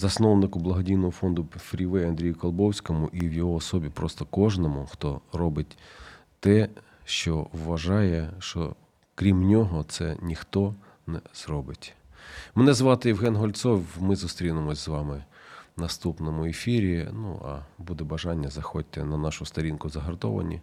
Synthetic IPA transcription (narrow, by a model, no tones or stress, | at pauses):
zɐsnɔwnɪkʊblˠɐɦɔdʲijnɔɦɔfɔnd̪ʊfɾʲiʋɛjɐnd̪ɾʲijʊkɐlˠbɔwsʲkɔmʊʔiwjɔɦɔːsɔbʲipɾɔst̪ɔkɔʒnɔmʊxt̪ɔɾɔbɪtʲ | t̪ɛ | ʃt͡ʃɔʋːɐʒɑjɛʃɔ̰ | kɾʲimnʲɔɦɔt̪sɛnʲixt̪ɔ | nɛz̥rɔbɪtʲmenɛzʋɑt̪ɪjiwɦɛnɦɔlʲt̪sɔwmɪzʊst̪ɾʲinɪmɔsʲzʋɑmɪnɐst̪upnɔmʊefʲiɾʲinṵɐ̰bud̪ɛbɐʒɑnʲːɐzɐxɔt̚ʲt̪ːɛnɐnɑʃʊst̪ɐɾʲinkʊzɐɦɐrt̪ɔ̰ʋɐ̰nʲḭ